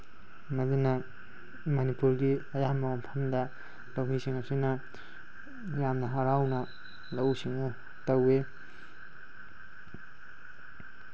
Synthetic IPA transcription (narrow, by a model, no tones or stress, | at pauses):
mɐdunɐ | mɐnipuɾɡiɐjamɐwompʰɐmdɐ | lɐwŋisiŋɐsinɐ | jamnɐɦaɾawnɐ | lɐwsiŋɐ | tɐwe